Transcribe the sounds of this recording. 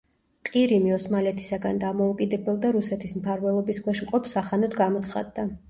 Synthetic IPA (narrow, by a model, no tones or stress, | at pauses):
qʼiɾimiɔsmalɛt̪ʰi̥saɡand̪amɔukʼid̪ɛbɛlˠd̪aɾusɛt̪ʰismpʰaɾvɛlˠɔbiskwɛʃmqʼɔpʰsaχanɔt̪ɡamɔt̪sʰχa̰d̪ːa